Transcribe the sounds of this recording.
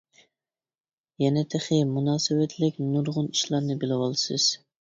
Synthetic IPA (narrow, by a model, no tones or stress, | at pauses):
jɛnɛt̪ʰeχɪmunɑːsɨwɛt̪ʰlɪkʲnuɾʁʊniʃlˠɑɾnɨbɪlɪwɑlˠɨsɨz̥